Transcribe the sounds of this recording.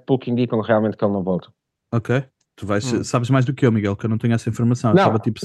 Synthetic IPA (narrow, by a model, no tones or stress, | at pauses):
plˠukĩnd̪ikɐ̃ʁialˠmẽnt̪kelˠnɐ̃w̃vɔlˠt̪ɐ̥ | okej | t̪uvajʃesaβʒmajʒðukewmiɣɛlˠkewnɐ̃w̃t̪eɲuɛsɐĩfuɾmɐsɐ̃w̃enɐ̃avɐt̪ipu̥s